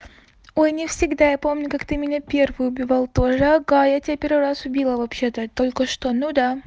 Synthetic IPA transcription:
o̞jnʲɪfsʲɪɡd̪ajapo̞mnʲʊkakt̪ɨmʲɪnʲapʲe̞rvɨjʊbʲɪvalˠt̪o̞ʐəɡajatʲɪbʲapʲe̞ɾvɨɾasʊbʲilˠəvɐpɕet̪ət̪o̞lʲkəʂt̪onud̪a

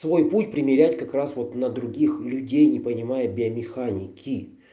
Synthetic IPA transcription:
svo̞jputʲpɾʲɪmʲɪɾʲætʲkɐkɾasvo̞t̪nəd̪ɾʊɡʲixlʲʉdʲejnʲɪpənʲɪmajəbʲɪəmʲɪxanʲɪkʲʰɪ

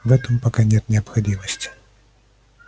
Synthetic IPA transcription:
vɛt̪ɨmpakanʲɛt̪nʲɛɐpxadʲimɐsʲt͡sʲi̥

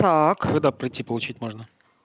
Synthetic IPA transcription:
t̪akd̪apɾʲɪtʲːipəlˠʊt͡ɕitʲmoʐnə

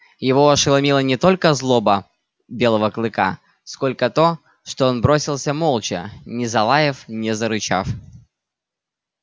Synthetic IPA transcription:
jɪvo̞ɐʂɨlˠɐmʲilˠənʲɪt̪o̞lʲkəzlˠo̞bə | bʲe̞lˠəvəklˠɨka̰ | sko̞lʲkət̪o̞ | ʂt̪oonbɾo̞sʲɪlˠsʲəmolˠt͡ɕə̰nʲɪzɐlˠajɪfnʲɪzəɾɨt͡ɕa̰f

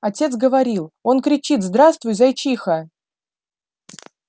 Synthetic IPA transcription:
ɐtʲe̞t̪sɡəvɐɾʲilˠo̞nkɾʲɪt͡ɕit̪zd̪ɾast̪vʊjzɐjt͡ɕixə

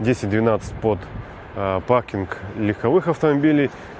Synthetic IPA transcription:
dʲesʲɪt̚ʲd̪vʲɪnat̪sɨ̥t̚ʲpot̪ | pakʲɪnklʲɪxɐvɨxɐft̪əmɐbʲilʲɪj

